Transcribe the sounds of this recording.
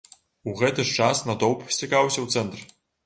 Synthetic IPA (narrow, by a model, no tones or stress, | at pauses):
uɣɛt̪ɨʂt͡ʂasnɐd̪owpsʲtʲɐkawsʲɐwt̪sɛnt̪r